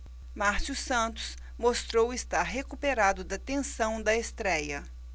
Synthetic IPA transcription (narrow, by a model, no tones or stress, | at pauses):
maɾsusɐ̃nt̪ʊ̥s | most̪ɾowɪst̪aɾɦekupeɾad̪ʊd̪ɐt̪ẽsɐ̃w̃d̪ɐest̪ɾɛjɐ